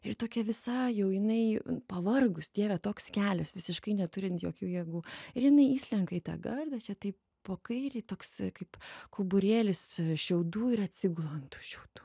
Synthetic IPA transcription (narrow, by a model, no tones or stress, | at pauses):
ɪrt̪oːkʲɛʋʲɪsɑjɛʊjɪnɐɪpɐʋɐrɡʊsd̪ʲiɛʋʲɛt̪oːkskʲæːlʲɛsʋʲɪsʲɪʃkɐɪnʲɛt̪ʊɾʲɪnt̪joːkʲuːjiɛɡuːɪrjɪnɐɪiːʃʲlʲɛŋkɐɪt̪ɑ̰ːɡɐrd̪ɐt͡ʃʲɛt̪ɐɪp | poːkɐɪɾʲeɪt̪oːkskɐɪpkʰʊbʊɾʲeːlʲɪsʃʲɛʊd̪uːɪɾɐt̪ʲsʲɪɡʊlˠɐnt̪u̥ːʃʲɛʊd̪̥u̥ː